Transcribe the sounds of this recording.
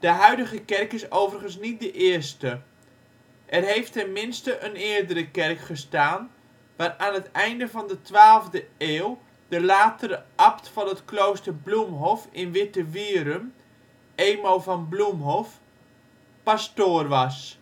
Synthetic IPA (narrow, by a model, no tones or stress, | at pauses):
d̥əɦœɥdəχəkɛrkɪsowvərχənsnit̚dəʔɪərstə | ʔɛrɦejftɛnmɪnstəʔənɪːərdəɾəkɛrkχəstaːn | ʋaːraːnɦətɛjndəvɑndətʋaːlˠvdəeːw | dəlaːtəɾəʔɑptfɑnɦətklowstərblumɦɔfɪnʋɪtəʋiəɾəm | ejmowvɑnblumɦɔf | pastoːrʋɑs